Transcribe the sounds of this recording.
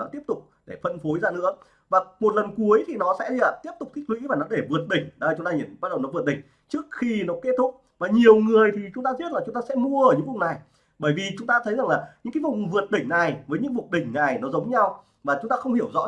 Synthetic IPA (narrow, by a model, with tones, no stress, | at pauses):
t̪i˦˥əp̚t̪ʊ˨˩k͡p̚ɗe˧˩fə˧nfo˨˦jzaː˧nɨ̰˧˥ə | vaː˨˩mo˨˩t̚lə˨˩nku˨˦əjt̪ʰi˨˩nɔ˨˦sɛ̰˧˥˧a˨˩t̪i˦˥p̚t̪ʊ˨˩k͡p̚t̪ʰï˦˥k̚lwḭ˧˥vaː˨˩nɔ˨˦ɗe˧˩vɨ˨˩ət̚ɗï˧˩ŋ̟ɗa˨˦˨t͡ɕʊ˨˦ŋ͡mt̪aː˧ɲḭ˧˩nɓa˦˥ɗə˨˩wnɔ˨˦vət̚ɗï˧˩ŋ̟ | t͡ɕɨ˦˥ək̚xi˧nɔ˨˦ke˦˥t̚t̪ʰʊ˦˥k͡p̚ | vaː˨˩ɲi˨˩əwŋɨ˨˩əjt̪ʰi˨˩t͡ɕʊ˨˦ŋ͡mt̪aː˧zi˦˥t̚laː˨˩t͡ɕʊ˨˦ŋ͡mt̪aː˧sɛ̰˧˥mu˧əʔəː˧˩ɲɨ̰˧˥ŋvʊ̰˨˩w̚na˨˩j | ɓəː˧˩jvi˨˩t͡ɕʊ˨˦ŋ͡mt̪aː˧t̪ʰə˨˦jza˨˩ŋlaː˨˩ɲɨ̰˧˥ŋkaː˨˦vʊ̰˨˩ŋ͡mvɨ˨˩ət̚ɗï˧˩ŋ̟na˨˩jvəː˨˦jɲɨ̰˧˥ŋvu˨˩ək̚ɗï˧˩ŋ̟na˨˩jnɔ˨˦zə˨˦wŋ͡mɲa˧w | vaː˨˩t͡ɕʊ˨˦ŋ͡mt̪aː˧xə˧wŋ͡mhi˧˩əwzɔ̰˧˥